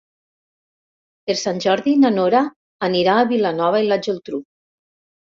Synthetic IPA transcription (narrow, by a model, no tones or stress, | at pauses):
eɾsanʲʒɔɾðinanoɾaː | niɾaːβilanɔβailad͡ʒelˠt̪ɾu